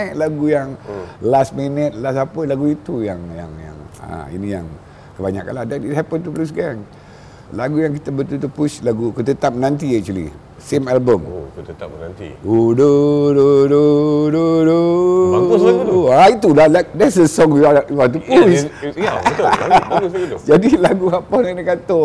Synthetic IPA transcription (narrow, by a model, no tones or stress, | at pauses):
jlaɡujaŋlastminət̪̚lasapəlaɡuit̪ujaŋja̰ŋja̰ŋa̰ḭnija̰ŋ | kəbaɲaka̰nlahdɛnit̚hɛpənt̪uplus̬ɡɛŋ | laɡujaŋkit̪abət̪ult̪upuslaɡukət̪ət̪ap̚mənãnt̪iɛk̚t͡ʃuəlḭ | semɛlbəmkət̪ət̪ap̚ənant̪ḭodododododo | ait̪ulalak̚d̪ɛtsdəsɔ̃ŋjuajuat̪upus | d͡ʒadilaɡuapanadəkat̪o